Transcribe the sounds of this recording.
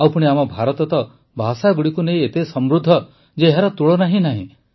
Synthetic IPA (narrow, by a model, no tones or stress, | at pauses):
awpuɽ̃iamɔbʱaɾɔt̪ɔt̪ɔ | bʱasaɡuɽikunej̃et̪esɔmɾud̪ʱːɔ | d͡ʒeːɦaɾɔt̪uɭɔnaɦĩnaɦḭ̃